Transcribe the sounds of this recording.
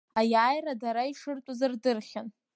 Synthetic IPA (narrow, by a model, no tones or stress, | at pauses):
ajaːjradaɾaiʂɨrtʷʼazardɨrχʲan